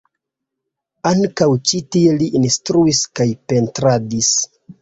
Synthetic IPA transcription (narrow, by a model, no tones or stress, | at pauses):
aŋkawt͡ʃitieliʔinstɾuiskajpe̞ntɾadis